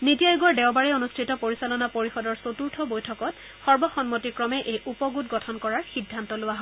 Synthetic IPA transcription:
nitijajuɡɔɹdɛwbaɹɛonustʰɹitɔpoɹisalɔnapoɹixɔdɔɹsotuɹtʰɔbojtʰɔkɔt | xɔɹbɔxɔnmotikɹɔmɛʔejʔupɔɡutɡɔtʰɔnkɔɹaɹxidʱːantɔlʊwaɦɔ

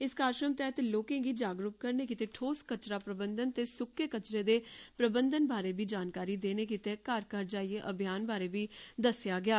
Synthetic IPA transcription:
ɪskaːɾʃɾəmt̪ɛːt̪eloːkẽːɡiːd͡ʒaːɡɾuːp̚kəɾneːkiːt̪eːʈʰoːskət͡ʃɾaːpɾəbənd̪ənt̪eːsʊkʰːeːkət͡ʃɾeːd̪eːpɾəbənd̪ənbaːɾeːʋiːd͡ʒaːnkaːɾiːd̪eːneːkiːt̪eːkaːɾkəɾd͡ʒaːieʔəbʱjaːnbaːɾeːʋiːd̪əsjaːɡɪaː

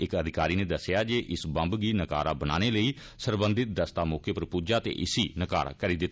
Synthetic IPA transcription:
ɪkəd̪ʱɪkaːɾiːneːd̪əsːɪjaːd͡ʒeːʔɪsbə̃mbɡiːnəkaːɾaːbənaːneːləiː | səɾbənd̪ɪt̪̚d̪əst̪aːmɔːkeːpəɾpuːd͡ʒaːt̪ḛːʔɪsiːnəka̰ːɾa̰ːkəɾiːd̪ɪt̪ː

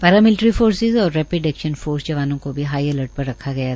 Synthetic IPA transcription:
pɛːɾaːmɪlʈɾifoːɾsɪzɔːɾːɛːpɾeɖɛkʃənfoːɾsd͡ʒɐʋaːnõkobʱiɦaːiɛləɾʈ̚pɐɾːɐkʰːaɡɐja

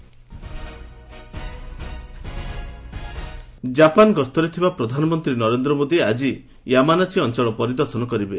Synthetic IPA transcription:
d͡ʒapanɡɔst̪ɔɾet̪ʰibapɾɔd̪ʱanɔmɔnt̪ɾinɔɾend̪ɾɔmod̪iad͡ʒi | jamanasʰiɔnt͡ʃɔɭɔpɔɾid̪ɔɾsɔnɔkɔɾibe

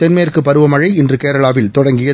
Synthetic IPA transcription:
t̪ɛnmeːrkɯpːɐɾɯʋɐmɐɻɐɪɛndrɯkeːɾɐɭaːʋɪlt̪ɔɽɐŋɡɪjɐ

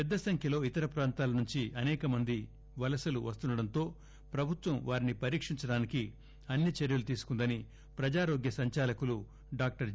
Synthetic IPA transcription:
pɛd̪ːɐsɐŋkʰjɐlo̞ːit̪ɐɾɐpɾaːnt̪aːlɐnuɲt͡ʃiʔɐnɛːkɐmɐnd̪i | ʋɐlɐsɐlṵʋɐst̪unːɐɽɐnt̪o̞ː | pɾɐbʱut̪ʋɐmʋaːɾinipɐɾiːkʂiɲt͡ʃɐɽaːniki | ɐnːit͡ʃeɾjulut̪iːsu̥kund̪ɐni | pɾɐd͡ʒaːɾoːɡjɐsɐɲt͡ʃaːlɐkulu | ɖaːk̚ʈɐɾ

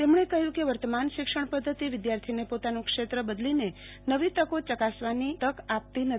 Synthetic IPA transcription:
t̪emɳ̃ekəɦjũkeʋəɾt̪əmanʃɪkʂəɳ̃pəd̪ʱːət̪iʋɪd̪jaɾt̪ʰinepot̪anũkʃet̪ɾəbəd̪line | nəʋit̪əkot͡ʃəkasʋanit̪əkap̚t̪inə

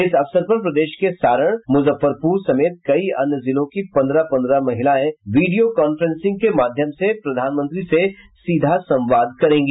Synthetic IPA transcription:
ɪsɐfsəɾpɐɾpɾɐd̪eːʃkesaːɾəɽ̃mʊzəfːəɾpuːɾsɐmeːt̪̚kɐiɐnjəzɪlõkipɐ̃nd̪ɾapɐ̃nd̪ɾamɐɦɪlaẽʋiːɖijokɔːnfəɾɛ̃nsɪ̃ŋɡ̚kemaːd̪ʱjəmsepɾɐd̪ʱaːnmə̃nt̪ɾise | siːd̪ʱasɐ̃mʋaːd̪̚kɐɾẽːŋɡiː

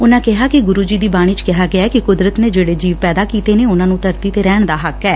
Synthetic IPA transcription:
ʊnãːkɪɦaːkɪɡʊɾuːd͡ʒiːd̪iːbaːɽ̃iːt͡ʃkɪɦaːɡɪaːkɪkʊd̪ɾət̪neːd͡ʒeːɽeːd͡ʒiːʋpɛːd̪aːkiːt̪eːneːʊnãːnũːt̪əɾt̪iːt̪eːɾɛːɳ̃d̪aːɦəkːɛː

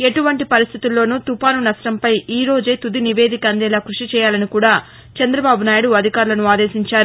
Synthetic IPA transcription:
eʈuʋɐɳʈipɐɾist̪ʰit̪ulːo̞ːnuːt̪upaːnunɐsʈɐmpɐjiːɾo̞ːd͡ʒeːt̪ud̪iniʋe̞ːd̪ʱikɐnd̪ɛːlaːkɾuʂit͡ʃɛːjaːlɐnikuːɽaː | t͡ʃɛnd̪ɾɐbaːbunaːjuɽuɐd̪ʱikaːɾulɐnuaːd̪e̞ːsiɲt͡ʃaːɾu

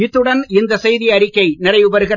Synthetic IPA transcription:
ɪt̪ːɯɽɐnɪnd̪ɐsɛjðɪjɐɾɪkːɐɪnɪrɐɪʋɯbɐɾɯɣɪ

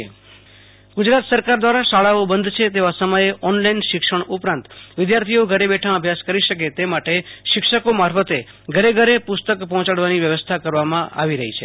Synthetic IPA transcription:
ɡʊd͡ʒɾat̪səɾkaɾd̪ʋaɾaʃaɭaobənd̪t͡ʃʰet̪eʋasəməjeʔɔnlainʃɪkʂəɳʊpɾãnt̪ʋɪd̪jaɾt̪ʰioɡʱəɾebɛʈʰãəbʱjaskəɾiʃəket̪emaʈeʃɪkʃəkomaɾfət̪e | ɡʱəɾeɡʱəɾepʊst̪əkpɔɦɔ̃t͡ʃaɽʋaniʋjəʋəst̪ʰakəɾʋamãʔa̰ʋiɾəɦit͡ʃʰe

